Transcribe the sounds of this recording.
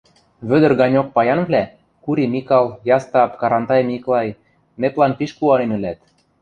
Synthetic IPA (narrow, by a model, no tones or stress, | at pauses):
βød̪ə̆rɣɑnʲok̚pɑjɑnβlæ | kuɾimikɑljɑst̪ɑpkɑɾɑnt̪ɑjmiklɑj | meplɑnpiʃkuɑlenø̆læt̪̚